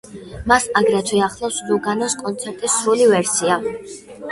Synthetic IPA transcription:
masaɡɾɛt̪ʰwɛaχlˠɔfsluɡanɔskʼɔnt̪sʰɛɾt̪ʼisːɾulivɛɾsia

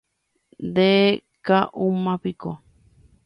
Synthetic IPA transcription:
d̪e | kaʔumãpiko

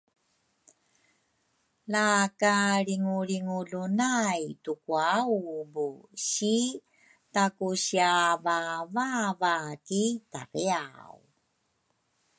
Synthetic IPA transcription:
lakaɾiŋuɾiŋuɮunajtukuawbuɕi | takuɕiavavavakita̰riaw

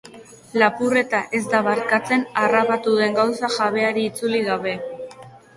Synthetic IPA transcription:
lapure̞t̪aʔe̞zd̪aβaɾkat͡se̞narapat̪uðe̞ŋɡawsaʝaβe̞aɾiːt͡suliɣaβe̞

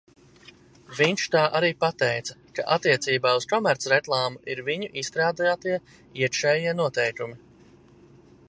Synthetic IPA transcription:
viɲʃt̪aːʔaɾiːpat̪ɛjt̪sɐka̰ʔat̪ːiɛt̪siːbaːuskɔmæɾt̪sɾeklˠaːmuʔiɾviɲuʔist̪ɾaːd̪ajaːt̪iɛ | iɛkʃɛːjiɛnuɔt̪ɛjkumi

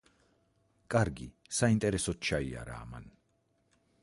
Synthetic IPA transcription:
kʼaɾɡi | saint̪ʼɛɾɛsɔt̪t͡ʃːaia̰ɾa̰ːma̰n

